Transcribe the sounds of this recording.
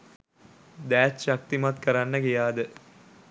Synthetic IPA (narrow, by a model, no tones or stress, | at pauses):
d̪æːt̪ʃɐk̚t̪imat̪̚kɐɾanːəɡijaːd̪ə